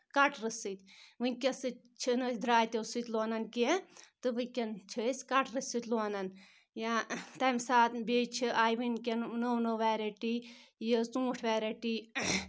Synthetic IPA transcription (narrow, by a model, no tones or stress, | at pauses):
kɐʈʰɾɨsɨt̪ʲʋɨnʲkʲɐsɨ | t͡ʃʰinɨd̪ɾaːjt̪ʲesɨt̪ʲloːnɐnkit̪ɨʋɨkʲɐnt͡ʃʰɨsʲkɐʈɾɨsɨt̪ʲloːnɐn | jat̪ɐmʲsaːt̪bʲeːt͡ʃʰiʔaːjʋɨnkʲennownoʋaːɾeʈiːjitũːʈʰʋaːɾeʈiː